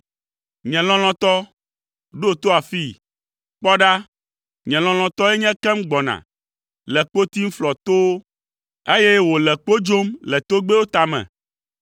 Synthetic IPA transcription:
ɲɛ̃˨lɔ̃˦l̃ɔ̃˦t̪ɔ˦ | ɖo˦˨t̪o˦a˨fi˦˨ | k͡pɔ˦ɖa˦ | ɲɛ̃˨lɔ̃˨l̃ɔ̃˨t̪ɔ˦ɛ˦ɲɛ̃˦kɛ˦mɡ͡bɔ˨nã̰˨ | lɛ˨k͡po˦t̪i˦ŋ̩˦flɔ˨t̪o˦wo˦ | e˦jɛ˦wo˨lɛ˨k͡po˦d͡ʒo˦mlɛ˨t̪o˦ɡ͡be˦wo˦t̪a˨mɛ̰̃˨

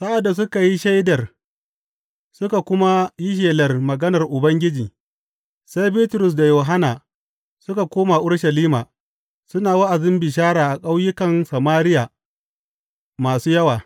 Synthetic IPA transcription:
sa˦ʔa˨dːa˨s̬ʊ˦ka˨ji˦ʃa˦jdɐ˨r | sʊ˦ka˨kʷʊ˦ma˦ji˦ʃ̬eː˨lɐ˨rmɐ˨ɡɐ˦nɐ˨rʔʊ˨bɐ˦ŋɡʲɪ˦d͡ʒiː˨ | sa˦jbiː˦tɾʊ˨s̬da˨joː˨ɦa˦naː˨ | sʊ˦ka˨kʷoː˦ma˨ʔʊ˦ɽʃɐ˨liː˦maː˨ | sʊ˦naː˨wa˦ʔa˨zɪ˦mbɪ˨ʃ̬aː˦ɽaː˨ʔa˨kʼa˦wjɪ˦kɐ˨nsa˨maː˦ɾɪ˦ja˨ | maː˨suː˦jɐ˦waː˨

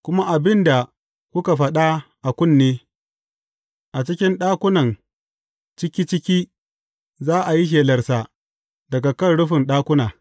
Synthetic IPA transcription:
kʷʊ˦ma˦ʔa˨bɪ˦nda˨ | kʷʊ˦ka˨ɸɐ˦ɗa˦ʔa˨kʷʊ˦˨nːeː˦ | ʔa˨t͡ʃɪ˦kʲɪ˦nɗaː˦kʷʊ˦nɐ˨n | t͡ʃɪ˦kʲiː˦t͡ʃɪ˦kʲiː˦ | zaː˦ʔa˨ji˦ʃ̬eː˨lɐ˨rsa˨ | dɐ˨ɡa˨kɐ˦nɽʊ˦ɸɪ˨nɗaː˦kʷʊ˦naː˨

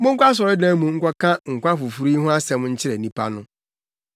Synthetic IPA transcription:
mʊ̃˦ŋ̩˦kʷa˦s̬ɔ˨ɾɪ˦dã˦mũ˨ŋ̩˦kʷɔ˦kʰã˦ŋ̩˨kʷa˦fu˨fu˨ɾiː˦ɦʊ̃˦a˦sɛ̃˨mʊ̃˦ɲ̩˦t͡ɕʰɪ˦ɾɛ˨nĩ˦pʰa̰˦nʊ̃˦

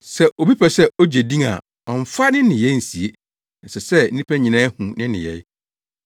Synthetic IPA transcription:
sɛ˦ʔo˨bi˦pʰɛ˨sɛ˦o˦d͡ʑe˨dĩ˦ŋa̰˨ | ɔ˨ɱ˨fa˦nɪ̃˦nɪ̃˨jɛ˦n̩˨si˨e˦ | nɛ˨sɛ˨sɛ˦n̩˦nĩ˦pʰɛ˦ɲɪ̃˨nã˦hũ˨nɪ̃˦nɪ̰̃˨jɛ̰˨j

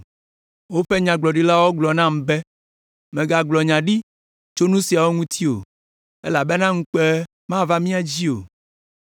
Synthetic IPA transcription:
wo˦ɸɛ˦ɲã˨ɡ͡blɔ˨ɖi˦la˦wɔ˦ɡ͡blɔ˨nã˦m̩˨bɛ˦ | mẽ˨ɡa˨ɡ͡blɔ˨ɲã˨ɖi˦ | t͡ʃo˦nũ˦si˨a˨wo˦ŋũ˦t̪ʰi˦o̰˨ | e˦la˨be˦nã˦ŋũ˦k͡pɛ˦ | mã˦va˦mĩ˦a˨d͡ʑi˦o˨

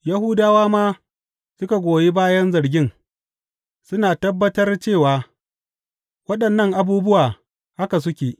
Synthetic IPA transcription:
ja˦ɦʊ˦daː˦waː˦maː˦ | sʊ˦ka˨ɡʷoː˨je˦baː˦jɐ˦nzɐ˨ɾɡʲɪ˦ŋ | sʊ˦naː˨tɐ˦bːɐ˦tɐ˦rt͡ʃeː˦˨waː˨ | wɐ˦ɗɐ˨nːɐ˦ŋʔa˨buː˦bʊ˦waː˨ | ha˦ka˨s̬ʊ˦kʲeː˨

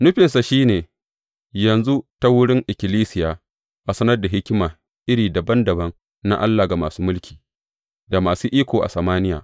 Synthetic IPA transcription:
nʊ˦ɸɪ˨nsa˨ʃiː˦neː˨ | jɐ˨nzu˦ta˦wʊ˦ɽɪ˦ŋʔɪ˨kʲɪ˨liː˦sɪ˨jaː˨ | ʔa˨sɐ˦nɐ˦rda˨ɦɪ˦kʲɪ˦maː˨ | ʔɪ˦ɽiː˨da˨bɐ˦ndɐ˨bɐ˦ŋ | na̰˦ʔa˦lːaː˨ɡa˨maː˨suː˦mʊ˦lkʲʰi̥ː˨ | da˨maː˨suː˦ʔiː˦kʷoː˨ʔa̰˨sɐ˨maː˦nɪ˦ja̰ː˨

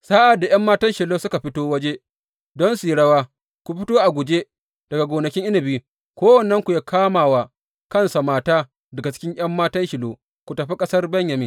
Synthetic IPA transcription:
saː˦ʔa˨dːa˨j̰ɐ˦mːaː˦tɐ˦nʃɪ˨loː˦sʊ˦ka˨ɸɪ˦toː˦wɐ˦d͡ʒe˦ | dɔ˦nsiː˨ɽɐ˦waː˦ | kʷu˨ɸɪ˦toː˦ʔa˨ɡʷʊ˨d͡ʒe˦ | d̥ɐ˨ɡa˨ɡʷoː˨nɐ˨kʲɪ˦ŋʔɪ˦nɐ˨biː˦ | kʷoː˦wɐ˨nːɐ˦ŋkʷu˨jaː˦kʰaː˦maː˨waː˨ | kɐ˦˨nsa˨maː˦taː˦ | dɐ˨ɡa˨t͡ʃɪ̥˦kʲɪ˦ŋj̰ɐ˦mːaː˦tɐ˦nʃɪ˨loː˦ | kʷu˨tɐ˨ɸe˦kʼɐ˦sɐ˦rbɐ˦ɲjɐ˨miː˦

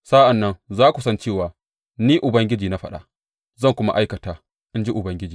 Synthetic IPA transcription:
sa˦ʔa˨nːɐ˦nzaː˦kʷu˨sɐ˦nt͡ʃeː˦˨waː˨ | niː˦ʔʊ˨bɐ˦ŋɡʲɪ˦d͡ʒiː˨na˦ɸɐ˦ɗa̰˦ | zɐ˦˨ŋkʷʊ˦ma̰˦ʔa˦jkɐ˨taː˨ | ʔɪ˦nd͡ʒi˦ʔʊ˨bɐ˦ŋɡʲɪ˦d͡ʒiː˨

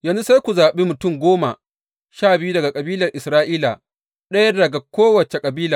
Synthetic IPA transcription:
jɐ˨nzu˦sa˦jkʷu˨zaː˨ɓe˦mʊ˨tʊ˦˨ŋɡʷoː˦ma̰˨ | ʃaː˦˨bɪ˨˦ju˦dɐ˨ɡa˨kʼɐ˨biː˦lɐ˨rʔɪ˨sɾaː˦ʔiː˦la̰˨ | ɗɐ˦jɐ˦rdɐ˨ɡa˨kʷoː˦wɐ˨t͡ʃe˨kʼɐ˨biː˦la˨

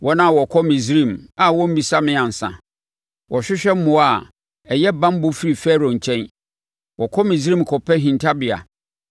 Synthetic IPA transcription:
wʔɔ˦nã˦˨wɔ˨kʰɔ˦mĩ˨sɾĩ˦˨ma˨wɔ̃˦m̩˦bi˨sa˦mɪ̃˦ã˨n̩˨sã̰˨ | wʔɔ˨ɕᶣɪ˦ɕᶣɛ˦m̩˦mʊ̃˨˦a˨ | ɛ˨jɛ˦bã˦m˦bʊ˦fi˦ɾi˨fɛ˦ɾo˨ɲ̩˨t͡ɕʰɛ̃˦n | wɔ˨kʰɔ˦mĩ˨s̬ɾĩ˦˨m˨kʰɔ˨pʰɛ˦ɦĩ˨ntʰa˦bɪ˨a̰˨

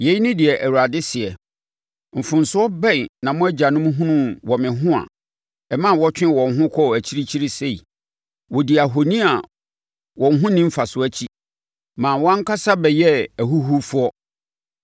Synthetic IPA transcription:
je˨˦i˦nʊ̃˦dɪ˨ɛ˨ʔæ˨wu˨ɾa˨dɪ˦sɪ˨ɛ˨ | m̩˨fʊ̃˨n˨sʊ˦ɔ˦bɛ̃˦˨jnã˨mʊ̃˦æ˦d͡ʑa˨nʊ̃˦m̃˦ɦũ˦nʊ̃˦wɔ˨mɪ̃˨ɦʊ̃˦a̰˨ | ɛ˨mã˦˨wɔ˦t͡ɕᶣɪ̃˦wɔ̃˨n˨ɦʊ̃˦kʰɔ˦˨æ˨t͡ɕʰi˦ɾi˦t͡ɕʰi˦ɾi˦se˦˨i˨ | wɔ˨di˨a˨ɦo˨nĩ˦a˨ | wɔ̃˨nɦʊ̃˦nɪ̃˦m̩˦fa˨sʊ˦æ˦t͡ɕʰi˦ | mãː˨wɔ̃˦ŋ˦kʰa˦sa˦bɛ˨jɛ˦æ˨ɦu˦ɦu˦fʊ˦ɔ˦

